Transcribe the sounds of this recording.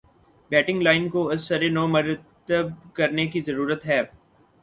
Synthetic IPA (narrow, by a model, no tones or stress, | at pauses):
bɛːʈɪ̃ŋɡlaːɪnkoɐsːəɾenoːmɐɾtt̪əb̚kɐɾnekizɐɾuːɾət̪ɦɛː